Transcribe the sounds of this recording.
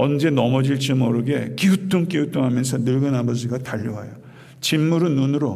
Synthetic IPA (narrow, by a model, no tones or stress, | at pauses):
ʌnd͡ʑe̞nʌmʌd͡ʑiɭt͡ɕ͈imʌɾɯɡe̞kiutʰoŋk͈iutʰoŋɦamjʌnsʰʌnɯɭɡɯnabʌd͡ʑiɡataʎːuɦa̰jo | t͡ɕimːuɾɯnːunɯɾo